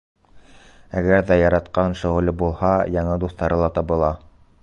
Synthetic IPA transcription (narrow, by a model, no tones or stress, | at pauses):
æɡæɾðæjɑɾɑt̪qɑnʃɘ̆ʁɘ̆lɘbulˠhɑjɑɴɤd̪uθt̪ɑɾɤlˠɑt̪ɑβɤ̆lˠɑ